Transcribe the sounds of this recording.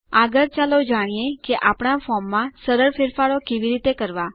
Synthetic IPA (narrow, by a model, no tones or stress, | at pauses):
aɡəɾt͡ʃalod͡ʒaɽ̃ijekeʔapɳ̃afɔmːãsəɾəɾfeɾfaɽokeʋiɾit̪ekəɾʋa